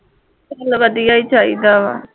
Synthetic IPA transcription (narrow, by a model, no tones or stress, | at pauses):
ɐlʋəd̪ijaːiːt͡ʃaːḭd̪aːʋa̰ː